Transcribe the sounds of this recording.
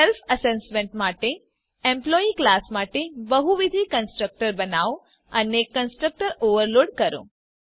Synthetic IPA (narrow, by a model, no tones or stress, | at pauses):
elfəsesmẽɳʈmaʈe | ẽmplɔiklasmaʈebəɦuʋid̪ʱikənsʈɾək̚ʈəɾbənao | ənekːənsʈɾək̚ʈəɾoʋəɾloɽkəɾõ̰